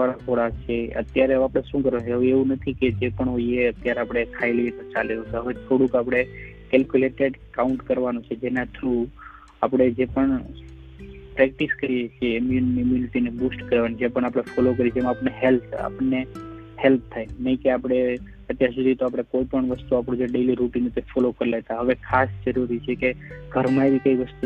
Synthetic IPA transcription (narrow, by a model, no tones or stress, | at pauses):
aɭat̪ʰoɽat͡ʃʰeə̰t̪jaɾeõapɽ̃eʃũkəɾot͡ʃeɦəʋeeʋũnət̪ʰiked͡ʒepəɳɦoieət̪jaɾeapɽ̃ekʰaelet̪ət͡ʃaleõt͡ʃɦəʋet̪ʰoɽũkapɽ̃ekɛlkjuleʈeɖkaʊɳʈkəɾʋanũt͡ʃʰed͡ʒenat̪ʰɾu | apɽ̃ed͡ʒepəɳ | pɾɛk̚ʈiskəɾiet͡ʃʰeːmjunːimilʈinebusʈkəɾʋanid͡ʒepəɳ̃apɽ̃efɔlok̬əɾit͡ʃʰemãːpəneɦelpʰa̰pəɳːe | help̚ʰt̪ʰːajnəɦĩkeapɽ̃e | ət̪jaɾsud̪ʱit̪oapɽ̃ekoipəɳʋəst̪uapɽ̃ũd͡ʒeɖeliɾuʈinət̪oefɔlokəɾilet̪aɦəʋekʰasd͡ʒəɾuɾit͡ʃʰekeɡʱəɾmãeʋikəiʋəst̪u